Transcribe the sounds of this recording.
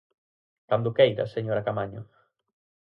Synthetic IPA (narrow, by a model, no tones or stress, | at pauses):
kand̪ukɛjɾa̰seɲoɾakamaɲo̰